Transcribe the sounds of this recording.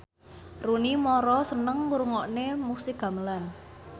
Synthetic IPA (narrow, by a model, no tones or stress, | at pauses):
runimɔɾɔsənəŋuɾuŋɔʔnemusɪɡ̥a̤məlan